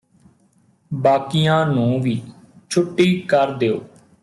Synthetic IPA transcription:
baːkijãːnũːʋiː | t͡ʃʰʊʈːiːkəɾd̪eːoː

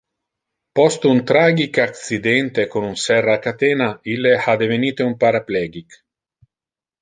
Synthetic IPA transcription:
pɔst̪unt̪ɾaːɡikak̪sid̪ɛnt̪ekonunsɛrːaːkːat̪ɛːnailːehad̪eveniːt̪eumpaɾaplɛːɡik

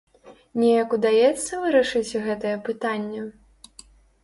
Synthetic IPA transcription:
nʲɛjɐkud̪ajɛt̪sːɐvɨɾɐʂɨt͡sʲɣɛt̪ɐjɛpɨt̪anʲːɛ

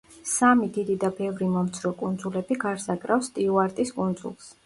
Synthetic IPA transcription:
samid̪id̪id̪abɛvɾimɔmt̪sʰɾɔkʼund̪zulɛbiɡaɾsakʼɾafst̪ʼiuaɾt̪ʼiskʼund̪zṵlˠs

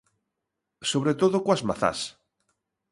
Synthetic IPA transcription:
soβ̞ɾet̪oðokwazma̰θa̰s

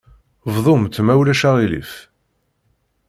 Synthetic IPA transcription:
vðˤomt̪ːmæwlæʃaʁilḭf

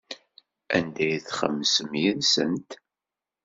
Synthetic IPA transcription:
ænd̪æjθχə̰mːsəmjinsənt̪

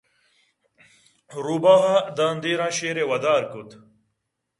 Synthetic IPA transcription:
ɾubaːɦad̪aːnd̪iːɾãːɕeːɾewɐd̪aːɾkut̪

